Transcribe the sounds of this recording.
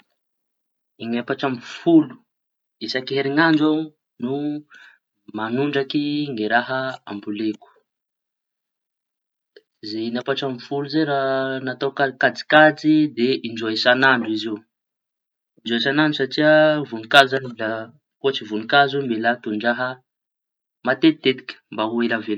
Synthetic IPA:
iŋapaʈ͡ʂambufulu̥ | isakiɦeɾiŋand͡ʒa | nu | manuɳɖ͡ʐakiŋeɾaɦəa̰mbuleku̥ | zeinapaʈ͡ʂambufuluzeɾanat̪awkakad͡zi̥kad͡zid̪eʔind͡ʒuaisanaɳɖ͡ʐizew | ind͡ʒuaisananɳɖ͡ʐusaʈ͡ʂiəvunikazzanla | kot͡sivunikazembelat̪uɳɖ͡ʐaɦə | mat̪et̪it̪et̪i̥kʲə̥mbaɦueləvel

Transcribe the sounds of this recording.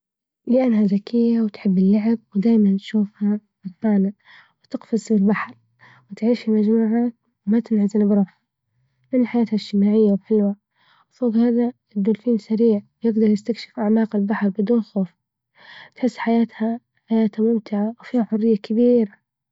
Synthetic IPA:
lɪʔanːhazakɪjːawt̪ħɪbːɪlːaʕɪb̚wɪd̪aːjmant̪ʃuːfhaʔɪlqaːna | wɪt̪ɪqfɪsbɪlbaħɾˤ | wɪt̪ʕiːʃfimad͡ʒmuːʕaːt̪̚ | wmat̪ɪnʕazɪnbɾˤɑba | mɪnɪlħajaːt̪haɪʃt̪ɪmaːʕɪjːawħɪlwa | lfˤɑːd̪ˤhaːða | d̪ʊlfiːnsaɾiːʕwjɪɡd̪ɑɾˤjɪst̪akʃɪ̥fʔaʕmaːqɪlbaħɾˤbɪd̪uːnxoːf | t̪ħɪsːħajaːt̪ha | ħajaːt̪hamʊmt̪ɪʕawfiːhaħʊrːɪjːakɪbiːɾa

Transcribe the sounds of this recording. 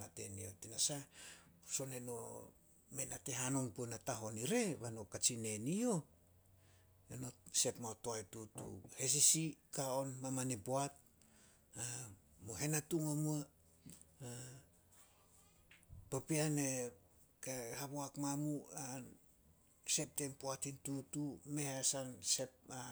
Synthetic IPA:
ate̞̰nio̞tinasa | so̞neno̞̰ | me̞nate̞ɦano̞npuenataɦo̞niɾe̞βano̞kat͡ʃine̞nio̞ | eno̞se̞pmaotoajtutṵhe̞s̬isikao̞nmamaneboat̚ | a | moɦe̞natuŋamua | a | papiane | kehaβoakmamuan | se̞p̚tempoatintutume̞hasanse̞p̚a

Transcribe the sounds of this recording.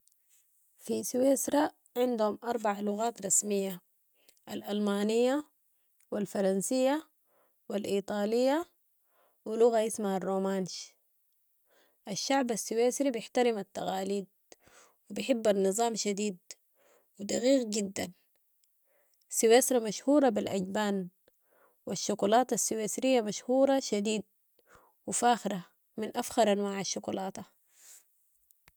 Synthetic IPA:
fisweːsɾˤɑ | ʕɪnd̪humʔɑɾˤbaʕalʊɣaːt̪ɾˤɑsmijːa | ʔalʔalmaːnijːa | wilfɑɾˤɑnsijːa | wilʔiːt̪ˤɑːlijːa | wiluɣaʔɪsmaharˤːoːmaːnʃ | ʔaʃːaʕbasːiweːsɾibjɪħt̪aɾimat̪ːaɣaːliːd̪̚ | wibɪħɪbːanːɨzˤɑːmʃad̪iːd̪ | wid̪ɑɣiːqɟid̪ːan | siweːsɾˤɑmaʃhuːɾˤɑbilʔaɟbaːn | waʃːʊkulɑːt̪asːiweːsɾijːamaʃhuːɾˤɑʃad̪iːd̪̚ | wifaːxɾa | minʔafxɑɾˤʔanwaːʕaʃːʊkulɑːt̪a

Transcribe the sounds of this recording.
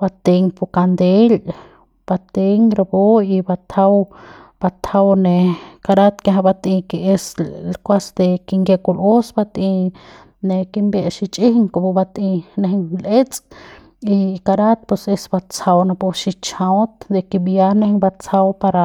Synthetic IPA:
bat̪eŋpukand̪el | b̥at̪eŋɾaboibat̪ʰaw | b̥at̪ʰawnekaɾat̪keɦabat̪ĩkieslkʷasd̪ekiŋɡjekulosbat̪i | nekimbeʔʃit͡ʃʼihŋkopubat̪ineɦŋlet͡sʼ | ikaɾat̪̚pusesbat͡sawnapuʃit͡ʃãwt̪d̪ekibjanehŋbat͡sawpaɾa

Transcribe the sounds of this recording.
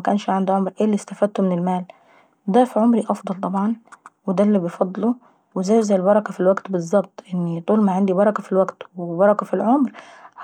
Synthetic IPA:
ækæːnʃʕand̪uʕomɾʔeːlːist̪æfæd̪̚t̪omenelmæːl | d̪æfiʕomɾiʔɑfd̪ˤɑlt̪ˤɑbʕɑnwed̪ælːibejfɑd̪ˤːlu | wezæːjzæjelbɑɾˤɑkæfilwæɡt̪bezˤːɑb̚t̪ˤʔenːit̪ˤuːlmaʕand̪ibɑɾˤɑkɑfilwæɡt̪webɑɾˤɑkæfilʕomɾ

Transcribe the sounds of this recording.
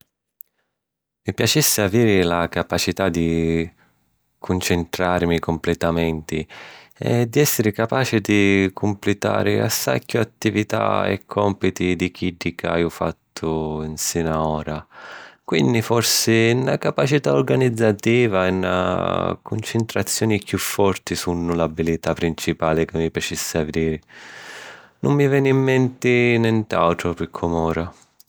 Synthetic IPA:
mipjat͡ʃɛsːɪaviːɾɪlakapat͡ʃit̪ad̪ːi | kʰʊnt͡ʃɪnt̪ɾaːɾɪmikʊmplɛt̪amɛnt̪ɪ | ɛ̰d̪ːiɛsːɪɾɪkapaːt͡ʃɪd̪ikʰʊmplɪt̪a̰ːɾɪa̰sːa̰kʰːʊat̪ːivit̪a̰ɛ̰kʰːɔmpit̪id̪ik̟iɖːika̰jʊfa̰t̪ʰːʊinsinaɔːɾakwind̪ifɔrsɪnːa̰kapat͡ʃit̪aoɾɡanid̪zːat̪iːvaɛnːa̰kʊnt͡ʃɪnt̪ɾat̪sːjɔːnikjufːɔrt̪isunːʊlabilit̪apːɾint͡ʃipaːlɪkɪmːipjat͡ʃisːɪavd̪iːɾɪ | nʊmːivjɛːnimːɛnt̪ɪnɛnt̪a̰wt̪ɾʊpikʰːɔmɔːɾa

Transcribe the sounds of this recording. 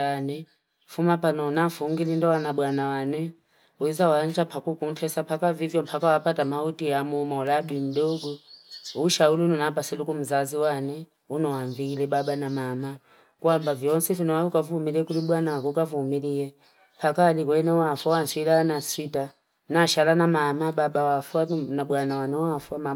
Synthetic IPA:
anɛ | fumapanɔnafuŋɡilindɔwanaɓwanawanɛ | uzawand͡ʒapʰakukuntʰɛsapʰakavivjɔm̩pʰakawapatamautiamumauladin̩ɗɔɡɔuʃauliunɔnapasilukum̩zaziwanɛ | unɔwaɱviːlɛɓaɓanamama | kwambavjɔnsɛvinɔwaukavumiliɛkuliɓwanawakukavumilijɛ | pʰakaːɗikɔɛnɛwafwawansilanasita | naʃalanamamaɓaɓawafwanaɓwanawanɛwafwama

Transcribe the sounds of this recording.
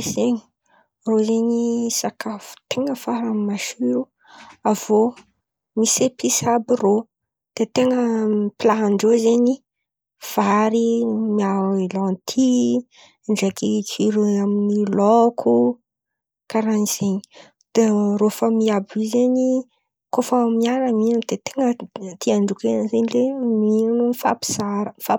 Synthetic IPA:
eseɲi̥ | rozeɲisakafu̥t̪eŋəfaɾammaʃyɾu | av̥o | misepʰisabiro | d̪̥et̪eŋəplaɦaɳɖ͡ʐozeɲi | v̥aɾimiawilɔnt̪ʰi | ɳɖ͡ʐekit͡siɾiaminilɔkʰu | kaɾaniz̥eɲi | d̪̥erofəmiabizeɲi | kofamiaɾəminand̪̥et̪eŋət̪iaɳɖ͡ʐukenzeɲileminanumfa̰pi̥zaɾəfa

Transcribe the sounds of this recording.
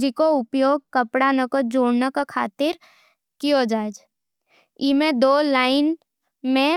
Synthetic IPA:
d͡ʒikoʊpjoːɡ̚kəpɽanəkod͡ʒoːɽnakakʰa̰ːt̪ɪɾ | kijod͡ʒaːd͡ʒ | imẽd̪oːlaːɪn | mẽ

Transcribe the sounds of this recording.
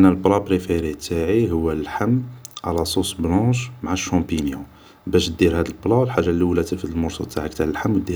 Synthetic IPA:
ʔnːælblɑbɾefeɾit̪aʕiɦʊwːælħəmːʕalæsˤusblɑ̃ʃmʕaʃːɑ̃pinjũ | bæʃ̚d̪iɾhæd̪əlblɑlħaʒːalːiwlæt̪əɾfət̪əlmʊɾsˤṵt̪aʕəkt̪aʕəlħamːwd̪ːi

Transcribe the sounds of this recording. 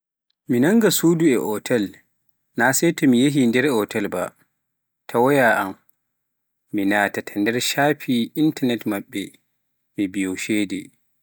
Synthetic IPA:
minaŋɡasuːduɛʔɔtʰɛl | nasɛjtɔmijeɦindɛɾɔtɛlba̰ | tʰawɔjaʔam | inatatʰandɛɾʃaːpʰiʔintanɛtmaɓːɛ | mibijɔʃɛːdɛ̰

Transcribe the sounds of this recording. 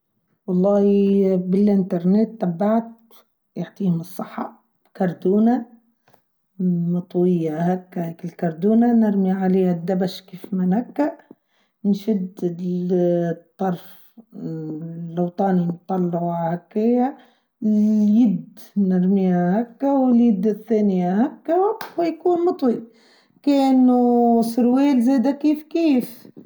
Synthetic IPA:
wɑlˤːɑːhibɪlʔɪnt̪ɑɾˤnet̪ːabːaʕt̪̚ | jaʕt̪ˤiːhʊmɨsˤːɨħːɑ̰ | b̥kɑɾˤd̪uːna | mɑt̪ˤwɪjːahakːaheːkɪlkɑɾˤd̪uːnanɪɾmiʕaleːhad̪ːabaʃkiːfmanakːa | nʃɪd̪ | t̪ˤːɑɾˤf | lːɑwt̪ˤɑːnint̪ˤːɑlːɑʕʕhakːɪha | jɪd̪nɪɾmiːhahækːawɪljɪd̪ːɪθːæːnɪjahækːawɪjkuːnmɑt̪ˤwi | kɛːnusɾwiːlzɛːd̪ækiːfkiːf

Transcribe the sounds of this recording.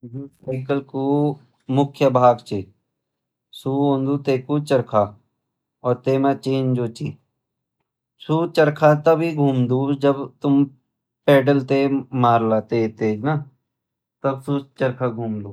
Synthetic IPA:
d̪uːsaɪkəlku | mʊkʰjəbʱaːɡt͡ʃe | suõnd̪uːt̪eːkut͡ʃəɾkʰa | ɔːɾt̪eːmãt͡ʃeːnd͡ʒoːt͡ʃiː | suːt͡ʃəɾkʰat̪ɐbiɡʱuːmd̪uːd͡ʒəbt̪ʊm | peːɖəlt̪emaːɾlaːt̪et̪eːd͡ʒna | t̪ɐbsut͡ʃəɾkʰaɡʱuːmd̪uː

